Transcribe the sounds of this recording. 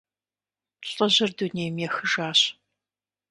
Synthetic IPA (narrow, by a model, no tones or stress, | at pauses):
ɕʼɐʑɐrduneːjmjɛxɨʒaːɕ